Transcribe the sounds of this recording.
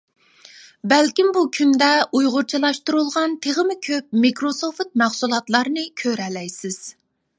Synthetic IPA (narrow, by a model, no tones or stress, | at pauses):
bɛlkʲimbukʲʰynd̪ɛujʁʊɾt͡ʃʰilˠɑʃt̪uɾulˠʁɑnt̪ʰeʁəmɪkʲʰøp̚mikɾosoft̪̚mæχsulˠɑt̪lˠɑɾnɨkʲʰøɾɛlɛjsɪz̥